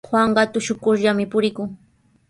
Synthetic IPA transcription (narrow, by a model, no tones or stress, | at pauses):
xwaɴɢɑt̪ʊʃʊkʊɾʎamɪpʊɾɪkʊŋ